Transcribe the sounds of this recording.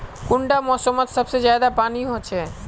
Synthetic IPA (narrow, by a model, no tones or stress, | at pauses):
kuɳɖamɔsomat̪ʃəb̚t͡ɕed͡ʑajd̪apaniɦoːt͡ɕʰe